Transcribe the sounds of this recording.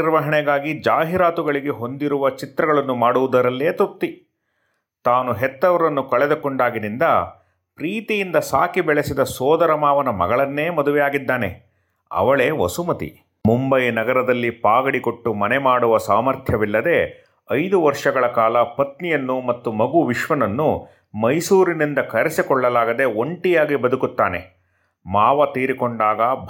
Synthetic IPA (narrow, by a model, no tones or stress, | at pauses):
iɾʋɐɦɐɳɛɡaːɡid͡ʒaːɦiɾaːt̪uɡɐɭiɡe̞ɦo̞nd̪iɾuʋɐt͡ʃit̪ɾɐɡɐɭɐnːumaːɽuʋud̪ɐɾɐlːe̞ːt̪up̚t̪i | t̪aːnuɦɛt̪ːɐʋɐɾɐnːukɐɭɛd̪ukoɳɖaːɡid̪ind̪ɐ | pɾiːt̪ijind̪ɐsaːkibɛɭesid̪ɐsɔːd̪ɐɾɐmaːʋɐnɐmɐ̰ɡɐɭɐnːe̞ːmɐd̪uʋɛjaːɡid̪ːaːne̞̰ | ɐ̰ʋɐɭe̞ːʋɐ̰sumɐt̪ḭ | mumbɐjnɐɡɐɾɐd̪ɐlːipaːɡɐɽiko̞ʈːumɐnɛmaːɽuʋɐsaːmɐɾt̪ʰjɐʋilːɐd̪e̞ | ɐjd̪uʋɐɾʂɐɡɐɭɐkaːlɐpɐt̪nijɐnːumɐt̪ːumɐɡuʋiʃʋɐnɐnːu | mɐjsuːɾinind̪ɐkɐɾesikɔɭːɐlaːɡɐd̪e̞oɳʈijaːɡibɐd̪ukut̪ːaːne̞̰ | maːʋɐt̪iːɾikoɳɖaːɡɐbʱ